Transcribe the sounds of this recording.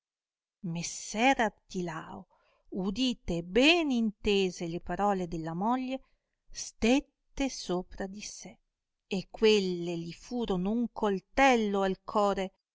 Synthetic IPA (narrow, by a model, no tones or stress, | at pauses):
mesːɛɾap̚t̪ilaːo̰ | ud̪iːt̪eːbɛnint̪eːzelepaɾɔːled̪elːamɔʎːe | st̪et̪ːesoːpɾad̪ise | ekːwelːeʎifuːɾonouŋkolt̪ɛlːoalkʰɔːɾe